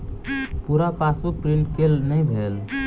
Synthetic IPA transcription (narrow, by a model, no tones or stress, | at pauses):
puɾapasupɾiɳʈkelnəjbʱel